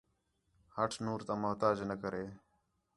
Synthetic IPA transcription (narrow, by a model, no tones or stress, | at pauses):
həʈʰnuːɾt̪ãːmʊɦt̪aːd͡ʒnəkəɾeː